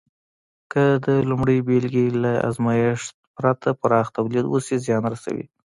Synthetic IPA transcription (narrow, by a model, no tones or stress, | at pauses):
kəd̪əlumɽəjbelɡilaa̰zmɑjɪʂt̪pɾat̪ʰapaɾɑxt̪awlid̪wṵsizjɑnɾasa̰wḭ